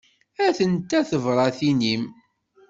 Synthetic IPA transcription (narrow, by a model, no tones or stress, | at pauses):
æθənt̪æθəvɾˤɑθinim